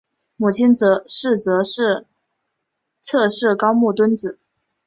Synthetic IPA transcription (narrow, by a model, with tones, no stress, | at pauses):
mu˨˩t͡ɕʰi˥nt͡sɤ˧˥ʂɻ̩˥˩t͡sɤ˧˥ʂɻ̩˥˧ | t͡sʰɤ˥˧ʂɻ̩˥˩kɑ˥ʊmu˥˩t̪wə˥nt͡sɹ̩˨˩˦